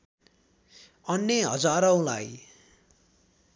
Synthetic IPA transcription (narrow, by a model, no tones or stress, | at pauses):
ʌnjʌɦʌd͡zaɾʌw̃la̰j